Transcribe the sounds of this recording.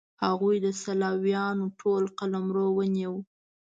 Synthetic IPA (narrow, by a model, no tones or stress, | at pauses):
haɣujd̪əsalɑwjɑnoʈʰolqalamɾowəniw